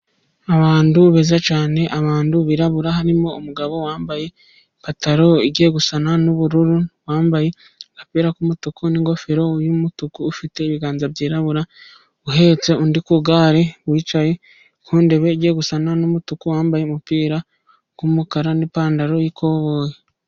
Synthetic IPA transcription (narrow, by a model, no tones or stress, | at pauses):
aβaːnduβezat͡ʃaːne̞ʔaβaːnduβiɾaβuɾaɦaɾimo̞umuɡaβo̞waːmbaje̞ | pataɾo̞iɟe̞ːɡusananuβuɾuɾuβwaːmbaje̞ | kapiːɾakumutukuniŋɡo̞feɾo̞jumutukuːfite̞iβiɡaːnzabɟiːɾaβuɾa | uɦe̞t͡se̞undikuɡaːɾe̞wiːt͡ʃaje̞ | kʰuːnde̞βe̞ɟe̞ːɡusananumutukuwaːmbajemupiːɾa | kumukaɾanipaːndaɾo̞jikʰo̞βoːje